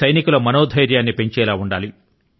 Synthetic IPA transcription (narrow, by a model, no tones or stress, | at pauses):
ɐjnikulɐmɐnoːd̪ʱɐjɾjaːnːipe̞ɲt͡ʃɛːlaːuɳɖaːli